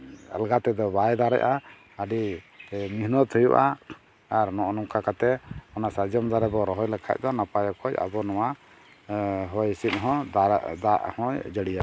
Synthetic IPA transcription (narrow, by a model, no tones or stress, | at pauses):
a̰lɡat̪ɛd̪ɔbajd̪aɾɛ̰ʔa | aɖi | miɦnɔt̪hujṵʔaː | ɾnɔʔɔnɔmkakat̪ɛɔnasad͡ʒɔmd̪aɾɛbɔɾɔɦɔjlɛkʰa̰c̚ˀd̪ɔnapajɔkʰɔca̰bɔnɔwa | ɦɔjsit̪̚ˀɦɔ̃d̪aʔhɔ̃jd͡ʒəɽija